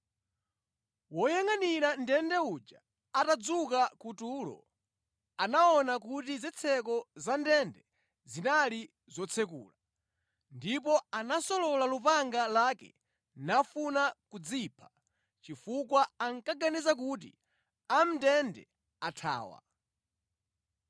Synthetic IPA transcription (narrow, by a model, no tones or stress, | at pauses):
wɔjaŋaniɾandɛndɛud͡ʒa | atad͡zukakutuːlɔ̰ | anaɔnakutizit͡sʰɛkɔzandɛndɛ | zinali | zɔt͡sʰɛkṵːla | ndip̬ɔanasɔlɔlalupaŋɡalakɛ̰ | nafunakud͡zipʰḁ | t͡ʃifukwaaŋkaɡanizak̬ut̬ḭ | am̩ndɛndɛ̰ | atʰa̰ːwa̰